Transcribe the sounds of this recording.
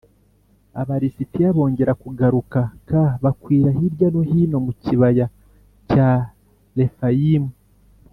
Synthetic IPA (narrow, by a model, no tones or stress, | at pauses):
a̰βaɾisitiaβo̞ːɲɟe̞ɾakuɡaɾukakaβakwiːɾaɦiɾjanoɦino̞muciβaja | ca | le̞fajimu